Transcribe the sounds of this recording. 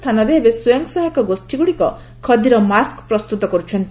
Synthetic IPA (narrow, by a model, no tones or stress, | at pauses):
t̪ʰanɔɾeebesujaŋksɔɦɔkɔɡosʈiɡuɽikɔ̰ | kʰɔd̪iɾɔmaskpɾɔst̪ut̪ɔkɔɾut͡ʃʰɔnt̪i